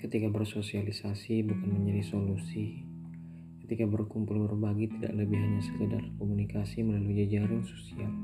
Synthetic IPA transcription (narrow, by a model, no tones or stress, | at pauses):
kət̪ikabərsosialisasibukanməɲd͡ʒadisolusi | kə̥t̪ikabərkumpulbərbaɡit̪ida̰ʔləbɪɦaɲasə̥kəda̰rkomunikasiməlaluid͡ʒad͡ʒaɾaŋso̥sial